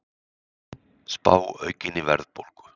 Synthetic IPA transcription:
spaːwœɥcɪnɪvɛ̰ɾðpolkʏ̥

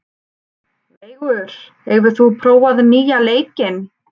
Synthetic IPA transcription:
leːjɣʏɾ̥ | ɛɣvʏɾ̥θupʰɾoːwaðniːjaleːjcɪn

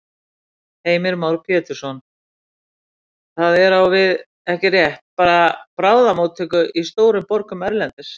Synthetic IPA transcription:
heːjmɪɾmaːwɾ̥pʰjɛːt̪ʏɾ̥sɔn | θaðɛɾawvɪð | ɛhcɪrjɛht̪̚paːɾapɾaːwðamowt̪ʰːʏːkʏʔist̪oːwɾʏmpɔɾkʏmɛɾlɛnt̪ɪs

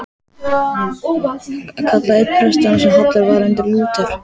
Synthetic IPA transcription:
akʰat̪laɪphɾɛst̪aansɛmhat̪laɾvaːlɛnt̪ɪɾluːt̪aɾ̥

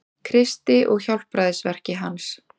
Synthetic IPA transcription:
kʰɾɪst̪ɪʔɔɣçɔlpɾaːðɪsvɛr̥cɪɦans

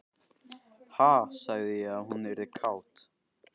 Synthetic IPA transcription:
haːsaɣðɪjɛɣaðhunvɛɾɪkʰaːwt̪

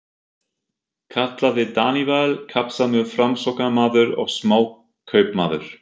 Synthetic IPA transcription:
kʰaht̪laðɪt̪aːnivalkʰapsamʏfɾamsɔknamaːðʏɾɔ̰ɣsmaːw | kʰœːɥpma̰ːðʏ̰ɾ̥

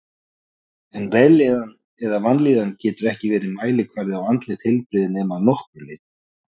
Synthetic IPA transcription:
ɛnvɛlɛðan | ɛðavant̪liːðancɛːt̪ʏɾɛhcɪvɛːɾɪmaːjlɪkʰvaɾðɪawant̪lɪhɪlpɾɪðɪnɛːmanɔhkʏɾlɪːt̪

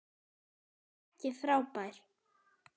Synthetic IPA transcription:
cɪfɾaːwpajɾ̥

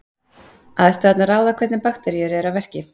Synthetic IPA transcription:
aːðɛst̪aːt̪naɾaːwðakʰvɛt̪nɪpaxt̪ɛɾiʏɾɪɛɾawvɛr̥cɪ

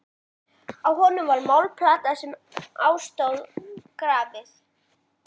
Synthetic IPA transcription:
awhɔnʏmvaɾmawlpʰlaːt̪asɛmaːwst̪owðkɾaːvɪθ

